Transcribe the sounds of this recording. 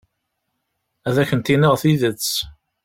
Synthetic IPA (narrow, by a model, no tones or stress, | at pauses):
æðæçənt̪inəʁθiðət͡sː